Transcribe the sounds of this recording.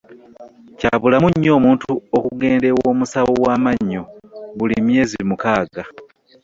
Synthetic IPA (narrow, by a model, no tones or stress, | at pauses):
caβulamuɲːo̞ːmuːntuokuɡeːnde̞woːmusaβowaːmaɲːoβulimje̞ːzimukaːɡa